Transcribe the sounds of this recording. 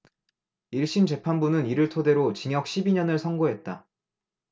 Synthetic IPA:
iɭɕ͈imt͡ɕe̞pʰanbunɯniɾɯɭtʰode̞ɾot͡ɕiŋjʌk̚ɕʰibiɲʌnɯɭsʰʌŋɡoɦe̞t̚t͈a

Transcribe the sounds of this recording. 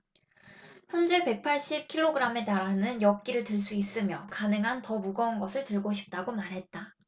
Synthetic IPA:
çjʌnd͡ʑe̞pe̞k̚pʰaɭɕ͈ip̚kʰiɭːoɡɯɾame̞taɾanɯnjʌk̚k͈iɾɯɭtɯɭs͈uis͈ɯmjʌkanɯŋɦantʌmuɡʌnɡʌsʰɯɭtɯɭɡoɕʰi̥p̚t͈aɡomaɾɦe̞t̚t͈a

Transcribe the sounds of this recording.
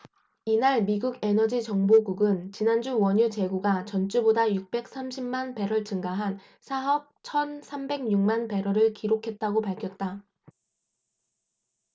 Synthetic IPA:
inaɭmiɡuɡe̞nʌd͡ʑit͡ɕʌŋboɡuɡɯnt͡ɕinand͡ʑuwʌɲut͡ɕe̞ɡuɡat͡ɕʌnt͡ɕ͈ubodajuk̚p͈e̞k̚s͈amɕʰimmanpe̞ɾʌɭt͡ɕɯŋɡaɦan | sʰaɦʌp̚t͡ɕʰʌnsʰambe̞ɡɲuŋmanpe̞ɾʌɾɯɭkiɾokʰe̞t̚t͈aɡopaɭkʰjʌt̚t͈a

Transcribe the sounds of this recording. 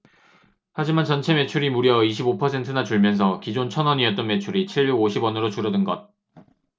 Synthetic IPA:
had͡ʑimant͡ɕʌnt͡ɕʰe̞me̞t͡ɕʰuɾimuɾjʌiɕ̬ʰibopʰʌsʰe̞ntʰɯnat͡ɕuɭmjʌns̬ʰʌkid͡ʑont͡ɕʰʌnʌɲiʌt̚t͈ʌnme̞t͡ɕʰuɾit͡ɕʰiɭjuɡoɕʰibwʌnɯɾot͡ɕuɾʌdɯnɡʌd̚

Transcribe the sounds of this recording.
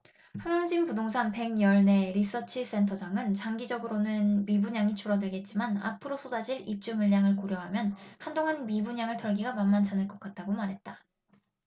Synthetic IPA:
hamjʌŋd͡ʑimpudoŋsʰanpe̞ŋjʌɭne̞ɾis͈ʌt͡ɕʰis͈e̞ntʰʌd͡ʑaŋɯnt͡ɕaŋɡid͡ʑʌɡɯɾonɯnmibuɲaŋit͡ɕʰuɾʌdɯɭɡe̞t̚t͡ɕ͈imana̰pʰɯɾosʰodad͡ʑiɭip̚t͡ɕ͈umɯɭːaŋɯɭkoɾjʌɦamjʌnhandoŋɦanmibuɲaŋɯɭtʰʌɭɡiɡamamːant͡ɕʰanɯɭk͈ʌk͈at̚t͈aɡomaɾɦe̞t̚t͈a

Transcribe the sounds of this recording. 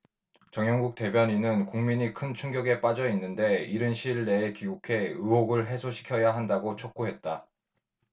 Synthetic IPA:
t͡ɕʌŋjʌŋɡuk̚t͈e̞bjʌɲinɯnkuŋmiɲikʰɯnt͡ɕʰuŋɡjʌɡe̞p͈ad͡ʑʌinːɯnde̞iɾɯnɕʰiɭːe̞ːkiɡukʰe̞ɯɦoɡɯɭɦe̞sʰoɕʰi̥kʰjʌjaɦandaɡot͡ɕʰok̚k͈oɦe̞t̚t͈a

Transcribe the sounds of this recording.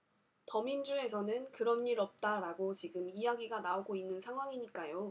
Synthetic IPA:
tʌmind͡ʑue̞sʰʌnɯnkɯɾʌniɾʌp̚t͈aɾaɡot͡ɕiɡɯmijaɡiɡanaoɡoinːɯnsʰaŋɦwaŋiɲik͈ajo

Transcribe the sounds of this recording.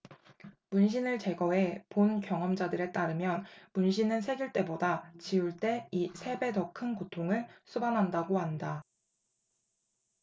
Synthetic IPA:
munɕ̬ʰinɯɭt͡ɕe̞ɡʌe̞ponkjʌŋʌmd͡ʑadɯɾe̞t͈aɾɯmjʌnmunɕ̬ʰinɯnsʰe̞ɡjuɭt͈e̞bodat͡ɕiuɭt͈e̞isʰe̞be̞tʌkʰɯnkotʰoŋɯɭsʰubanɦandaɡoɦanda

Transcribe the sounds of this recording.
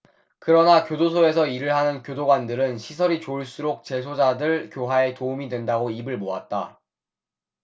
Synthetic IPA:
kɯɾʌnakjodosʰoe̞sʰʌiɾɯɭɦanɯnkjodoɡwandɯɾɯnɕʰisʰʌɾit͡ɕoɭs͈uɾok̚t͡ɕe̞sʰod͡ʑadɯɭkjoɦae̞toumidwendaɡoibɯɭmoat̚t͈a̰

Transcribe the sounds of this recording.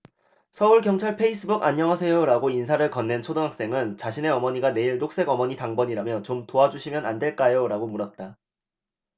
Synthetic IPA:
sʰʌuɭkjʌŋt͡ɕʰaɭpʰe̞is͈ʰɯbuɡaɲːʌŋɦasʰʌjoɾaɡoinsʰaɾɯɭkʌnːe̞nt͡ɕʰodoŋɦak̚s͈e̞ŋɯnt͡ɕaɕʰine̞ʌmʌɲiɡane̞iɭdok̚s͈e̞ɡʌmʌɲitaŋbʌɲiɾamjʌt͡ɕomtoad͡ʑuɕʰimjʌnandwe̞ɭk͈ajoɾaɡomuɾʌt̚t͈a

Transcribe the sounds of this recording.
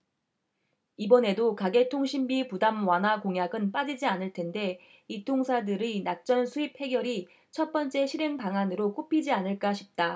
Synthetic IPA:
ibʌne̞dokaɡe̞tʰoŋɕʰimbipudamwanɦakoŋjaɡɯnp͈ad͡ʑid͡ʑianɯɭtʰe̞nde̞ | itʰoŋsʰadɯɾinak̚t͡ɕ͈ʌnsʰuip̚he̞ɡjʌɾi | t͡ɕʰʌt̚p͈ʌnt͡ɕ͈e̞ɕʰiɾe̞ŋpaŋanɯɾok͈opʰid͡ʑianɯɭk͈aɕʰip̚t͈a

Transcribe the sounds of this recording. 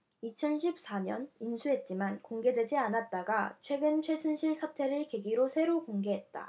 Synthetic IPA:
it͡ɕʰʌnɕʰip̚s͈aɲʌ̰ninsʰuɦe̞t̚t͡ɕ͈imankoŋɡe̞dwe̞d͡ʑianat̚t͈aɡat͡ɕʰwe̞ɡɯnt͡ɕʰwe̞sʰunɕʰiɭsʰatʰe̞ɾɯɭkeɡiɾosʰe̞ɾokoŋɡe̞ɦet̚t͈a̰

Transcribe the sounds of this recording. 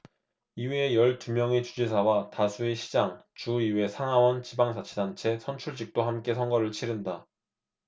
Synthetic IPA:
iweːjʌɭtumjʌŋet͡ɕud͡ʑisʰawatasʰueɕʰid͡ʑaŋt͡ɕuiwe̞sʰaŋɦawʌnt͡ɕibaŋsʰat͡ɕʰedant͡ɕʰe̞sʰʌnt͡ɕʰuɭd͡ʑik̚t͈oɦamk͈e̞sʰʌŋɡʌɾɯɭt͡ɕʰiɾɯnda

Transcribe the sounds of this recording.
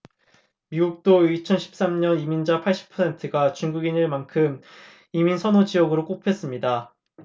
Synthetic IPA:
miɡuk̚t͈oit͡ɕʰʌnɕʰi̥p̚s͈amɲʌnimind͡ʑapʰaɭɕ͈i̥pʰʌsʰe̞ntʰɯɡat͡ɕuŋɡuɡinɯɭmankʰɯm | iminsʰʌnod͡ʑijʌɡɯɾok͈opʰe̞s͈ɯmɲida

